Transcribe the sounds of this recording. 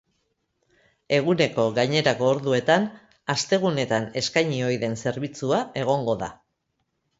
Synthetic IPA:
e̞ɣ̞une̞ko̞ɣajɲe̞ɾako̞ːɾðue̞t̪an | ast̪e̞ɣ̞une̞t̪ane̞skajɲio̞jðe̞nse̞ɾβit͡suae̞ɣ̞o̞ŋɡo̞ða̰

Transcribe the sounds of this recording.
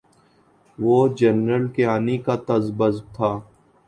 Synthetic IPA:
ʋoːd͡ʒənɾəlkeaːnikat̪əzbəzb̚t̪ʰaː

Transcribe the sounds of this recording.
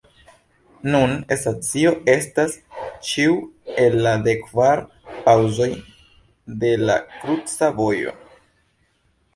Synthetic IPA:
nunesat͡sio̞e̞stast͡ʃiue̞lːade̞kvaɾ | pawzo̞j | de̞la̰kɾut͡savo̞jo̞̰

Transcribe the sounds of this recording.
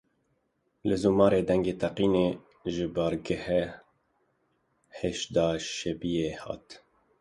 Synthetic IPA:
lɨzuːmɑːɾeːd̪ɛŋɡeːt̪ʰɛqiːneː | ʒɪbɑːɾɡɛhɛ | heʃd̪ɑːʃɛbijeːhɑ̰ːt̪

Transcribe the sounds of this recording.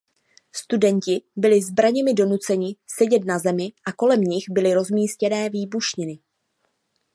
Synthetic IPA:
st̪udɛɲcɪbɪlɪzbɾaɲɛmɪdo̞nut͡sɛɲɪsɛɟɛt̪nazɛmɪʔako̞lɛmɲɪxbɪlɪɾo̞zmiːscɛnɛːviːbuʃɲɪnɪ

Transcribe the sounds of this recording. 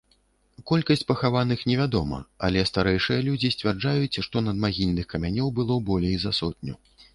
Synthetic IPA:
kɔlʲkɐsʲt͡sʲpɐxavanɨxnʲɛvʲad̪ɔmɐ̰ɐ̰lʲɛst̪aɾɛjʂɨjɐlʲud͡zʲisʲt͡sʲvʲard͡ʐajut͡sʲʂt̪ɔnɐd̪maɣʲilʲnɨxkɐmʲanʲɔwbɨlˠɔbɔlʲejzɐsɔt̪̚ʲnʲu

